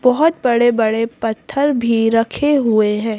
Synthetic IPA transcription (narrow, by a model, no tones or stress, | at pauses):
bɔɦʊt̪̚bɐɽebɐɽepɐt̪ʰːəɾbʱiɾɐkʰeɦʊeɦɛ̃ː